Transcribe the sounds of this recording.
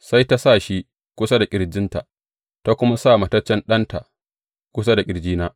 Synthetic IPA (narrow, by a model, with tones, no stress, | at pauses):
sa˦jta˦sa˦˨ʃi˦ | kʷʊ˦sa˦da˨kʲʼɪ˨ɽd͡ʒɪ˦nta˨ʔ | ta˦kʷʊ˦ma˦saː˦˨ma˨tɐ˦t͡ʃːɛ˦nɗɐ˦nta˨ʔ | kʷʊ˦s̬a˦da˨kʲʼɪ˨ɽd͡ʒiː˦naː˦